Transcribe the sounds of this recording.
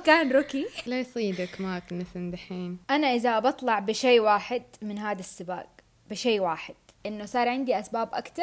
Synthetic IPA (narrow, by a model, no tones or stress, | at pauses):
kaːnɾʊkilajsˤiːd̪akmaːknɪfɪnd̪aħiːnʔanaʔɪðaʔbɑt̪ˤlɑʕbɪʃeːwaːħɪd̪mɪnɦaːd̪asːɪba̰ːɡ | bɪʃeːwaːħɪd̪̥̚ | ʔɪnːʊsˤɑːɾˤʕɪnd̪iʔasbaːbʔa̰kt̪ɑɾˤ